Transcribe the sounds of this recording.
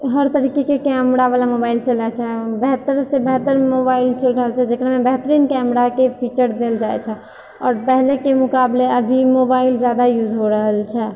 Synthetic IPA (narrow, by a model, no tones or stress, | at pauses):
ɦəɾt̪əɾikekekɛmɾabalamobaɪilt͡ʃəlɛt͡ʃʰɛbɛɦt̪əɾsebɛɦt̪əɾmobaɪilt͡ʃəlɾəɦəlt͡ʃʰɛd͡ʒekɾamebɛɦt̪əɾinkɛmɾakepʰit͡ʃəɾd̪eld͡ʒaɛt͡ʃʰɛ | ɔ̰ːɾpɛɦlekemʊkableəbʱimobaild͡ʒjad̪ajud͡ʒɦoɾəɦəlt͡ʃʰɛ